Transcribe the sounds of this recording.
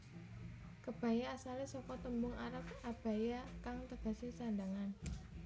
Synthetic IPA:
kəb̥a̤jaːsalesɔkɔt̪əmbʊŋaɾəp̚ab̥a̤jakaŋt̪əɡ̥a̤sisandaŋan

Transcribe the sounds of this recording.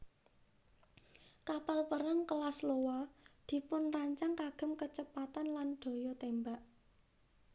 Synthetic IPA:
kapalpəɾaŋkəlaslowɔd̪̥i̤pʊnraɲt͡ʃaŋkaɡ̥ə̤mkət͡ʃəpat̪anlanɖ̪̥o̤jɔt̪embaʔ

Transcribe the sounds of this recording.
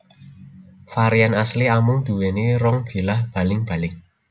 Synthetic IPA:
faɾianasliamʊŋd̪̥ṳweneɾɔŋb̥e̤lahb̥ä̤lɪŋb̥a̤lɪŋ

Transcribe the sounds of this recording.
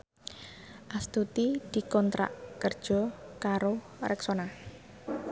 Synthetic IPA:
ʔast̪ut̪id̪̥i̤kɔnt̪ɾa̰ʔkərd̥ʒ̥ɔ̤kaɾo | ɾʔɛksona

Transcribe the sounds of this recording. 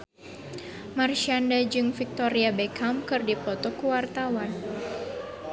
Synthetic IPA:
marʃandad͡ʒɨŋfik̚t̪ɔɾiabɛkʰamkɨrdipɔt̪ɔkuwart̪awan

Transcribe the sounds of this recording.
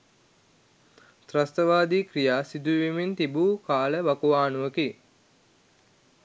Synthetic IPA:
t̪ɾast̪əʋaːd̪iːkrijaːsid̪uʋimint̪ibuːkaːləʋakuʋaːnuʋəki

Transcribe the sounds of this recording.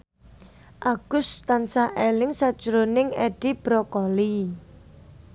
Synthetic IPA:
ʔaɡ̥ʊst̪ansaʔɛlɪŋsad̥ʒ̥ɾonɪŋɛɖ̥ib̥ɾɔkɔli

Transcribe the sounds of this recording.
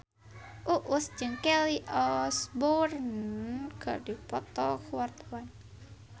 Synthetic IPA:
ʔuʔʊsd͡ʒɨŋkɛliʔɔsbɔrnɡa̰dipɔt̪ɔkuwart̪awan

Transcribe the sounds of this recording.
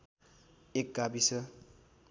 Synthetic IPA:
ek̚ɡabisʌ

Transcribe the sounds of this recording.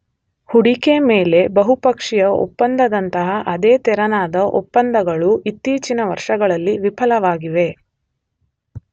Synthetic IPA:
huɽikemeːle̞bɐɦupɐkʂijɐo̰pːɐnd̪ɐd̪ɐnt̪ɐɦɐʔɐd̪eːt̪ɛɾɐnaːd̪ɐʔo̰pːɐnd̪ɐɡɐɭuʔit̪ːiːt͡ʃinɐʋɐɾʂɐɡɐɭɐlːiʋipʰɐlɐʋaːɡiʋe̞

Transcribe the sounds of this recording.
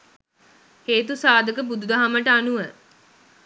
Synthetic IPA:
heːt̪usaːd̪əkəbud̪ud̪aɦaməʈəanuʋə

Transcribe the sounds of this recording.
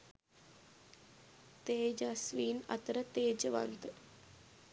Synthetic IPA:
t̪eːd͡ʒasʋiːna̰t̪əɾət̪eːd͡ʒəʋa̰nt̪ə

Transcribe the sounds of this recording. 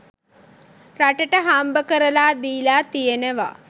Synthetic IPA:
ɾaʈəʈəɦaːmbəkəɾəlaːd̪iːlaːt̪ijeneʋa̰

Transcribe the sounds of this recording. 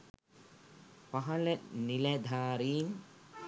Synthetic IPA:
paɦɐləniled̪ʱaːɾiːŋ

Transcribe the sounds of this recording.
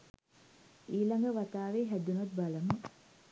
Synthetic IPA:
iːlaŋɡəʋat̪aːʋeːɦæd̪unɐt̪̚baləmə

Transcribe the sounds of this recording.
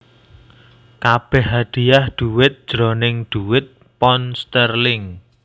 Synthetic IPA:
kab̥ɛhːad̪̥i̤jahd̪̥ṳwɪt̪̚d̥ʒ̥ɾɔnɪŋd̪̥uwɪt̪̚ | pɔnst̪ərlɪŋ

